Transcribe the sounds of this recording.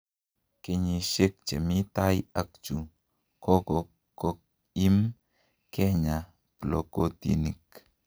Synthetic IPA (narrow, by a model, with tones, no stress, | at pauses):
ke˧ɲi˧ʃe˦k̚t͡ʃḛ˨mi˦t̪a˦ja˦k̚t͡ʃu˨ | ko˦ko˨ | kːo˦k̚ | i˦m | ke˦ɲa˨ | plo̰˨ko˦t̪ḭ˨ni˨k̚